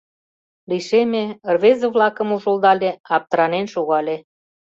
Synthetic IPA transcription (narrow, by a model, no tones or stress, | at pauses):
liʃemerβezəβlɑkə̆muʒold̪ɑlʲeɑp̚t̪əɾɑnenʃuɣɑlʲe